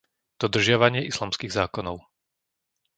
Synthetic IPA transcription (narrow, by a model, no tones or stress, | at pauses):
d̪̥ɔd̪r̩ʒɪaʋaɲɪɛʔislamskiːɣzaːkɔnɔʊ